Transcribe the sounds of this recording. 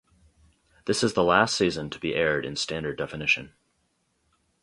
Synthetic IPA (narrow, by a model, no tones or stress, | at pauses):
ðɪsɨzðəlæstsizɨ̃ntʰəbiʔɛɹɾɨ̰̃nstæ̃ndə˞dɛfɨnɪʃɨ̃n